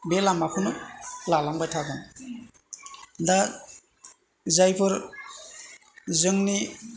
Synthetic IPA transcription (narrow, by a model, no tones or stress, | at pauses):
belamapʰɯnɯlalambajtʰaɡɯn | da | zajpʰɯɾ | zɯŋni